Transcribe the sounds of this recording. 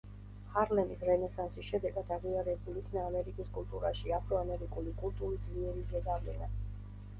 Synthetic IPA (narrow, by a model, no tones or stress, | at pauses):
haɾlɛmisɾɛnɛsansisʃɛd̪ɛɡad̪aʁiaɾɛbulikʰnaːmɛɾikʼiskʼult̪ʼuɾaʃiapʰɾɔamɛɾikʼulikʼult̪ʼuɾisd̪liɛɾizɛd̪avlɛna